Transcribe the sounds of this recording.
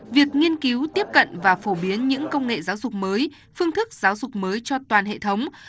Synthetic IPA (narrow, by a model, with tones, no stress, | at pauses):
vi˨˩ək̚ŋi˧ənki˨˦wt̪i˦˥əp̚kə̰˧˨nvaː˨˩fo˧˩ɓi˨˦ənɲɨ̰˧˥ŋkə˧wŋ͡mŋḛ˧˨zaː˨˦wzʊ˨˩k͡p̚məː˨˦j | fɨ˧ŋt̪ʰɨ˦˥k̚z̥aː˨˦wzʊ˨˩k͡p̚məː˨˦jt͡ɕɔ˧t̪waː˨˩nɦḛ˧˨t̪ʰə˨˦wŋ͡m